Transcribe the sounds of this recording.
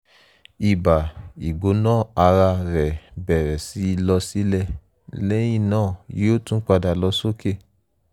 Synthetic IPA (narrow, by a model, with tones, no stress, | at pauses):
i˨ba˨i˨ɡ͡bo˨˦nãː˦˨a˧ɾa˧ɾɛ˨bɛ˨ɾɛ˨si˨˦˧lɔ˧si˦lɛ˦˨ | lẽ˦ĩ˦˨nãː˦˨je˦o˦tũ˦k͡pa˧da˨lɔ˧˦so˦ke˦˨